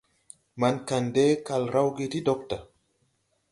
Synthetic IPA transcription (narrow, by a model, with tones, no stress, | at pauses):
ma˨nka˨nde˦ka˨lɾa˦wɡi˦ti˦do˦k̚ta˨